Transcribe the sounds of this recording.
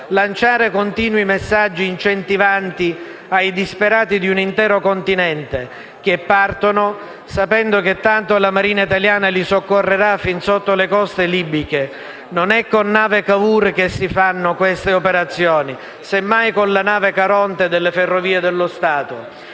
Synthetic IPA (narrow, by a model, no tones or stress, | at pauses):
lant͡ʃaːɾekont̪iːnwimesːad͡ʒːiːnt͡ʃent̪ivant̪i | ajd̪ispeɾaːt̪id̪iunint̪ɛːɾokont̪inɛnt̪e | k̟epːart̪ono | sapɛnd̪oket̪ːant̪olamaɾiːnait̪aljaːnalisokːorːeɾafinsot̪ːolekɔst̪eliːbike | nonɛkːonːaːvekavuːɾk̟esːifanːokwest̪eopeɾat̪sːjɔːni | semːajkonlanaːvekaɾɔnt̪ed̪elːeferːoviːed̪elːost̪aːt̪o